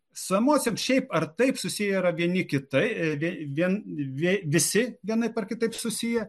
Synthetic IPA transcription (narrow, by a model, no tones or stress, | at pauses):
sʊɛmoːt͡sʲemsʃʲɛɪpɐrt̪ɐɪpsʊsʲijɛiɾɐʋʲiɛnʲɪkʲɪt̪ɐɪʋʲiʋʲiɛnʋʲʋʲɪsʲɪʋʲiɛnɐɪpɐrkʲɪt̪ɐɪpsʊsʲijɛ